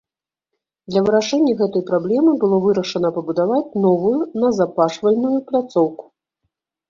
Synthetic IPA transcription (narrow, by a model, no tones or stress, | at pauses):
d̪lʲɐvɨɾaʂɛnʲːɐɣɛt̪ɐjpɾablʲɛmɨbɨlˠɔvɨɾɐʂɐnɐpɐbud̪avat͡sʲnɔvujunɐzapaʂvɐlʲnujuplʲat̪sɔwku̥